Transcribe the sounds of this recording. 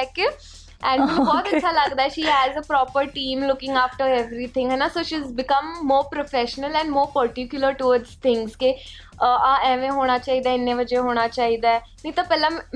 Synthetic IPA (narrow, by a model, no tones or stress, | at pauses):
t̪ɛ̃ŋkjuː | ʔɛ̃ɳmɪ̃nũbɔːt̪ɐt͡ʃʰʃʰaləɡd̪aːɛʃiːɦɛzəpɾɔːpəɾʈĩːmlʊkɪ̃ŋɡaːfʈəɾɛʋɾit̪ʰɪ̃ŋɦɛnasoːʃizbɪkə̃mːoːɾpɾofɛʃənəlɛ̃ɳɖmoːɾpəɾʈɪkjʊləɾʈuʋəɖzt̪ʰɪ̃ŋɡszke | ãːɛ̃ːʋẽɦoːɽ̃at͡ʃaːid̪aːɪnːẽʋəd͡ʒeɦoːɽ̃at͡ʃaːɦid̪aɛ | nə̃t̪apɛːlã